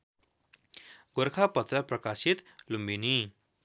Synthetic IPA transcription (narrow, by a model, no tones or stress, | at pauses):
ɡoɾkʰapʌt̪rʌprʌkasit̪lumbini